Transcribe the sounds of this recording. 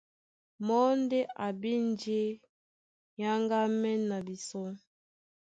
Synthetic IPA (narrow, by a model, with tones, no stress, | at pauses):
mɔ˦nde˦ʔa˨bi˦n˦d͡ʒe˦ | ja˦ŋɡa˦mɛ˦na˨bi˨sɔ˦